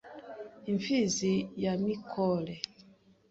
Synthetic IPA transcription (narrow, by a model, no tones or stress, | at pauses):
iɱfizijamikʰɔlɛ